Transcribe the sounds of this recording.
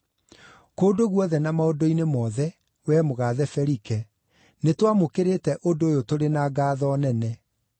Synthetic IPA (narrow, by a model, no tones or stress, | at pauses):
koːdoɣwɔðɛnamaodoinemɔðɛ | wɛmoɣaːðɛfɛɾikɛ | netwamokeɾetɛʔodoːjotoɾenaɡaːðɔnɛnɛ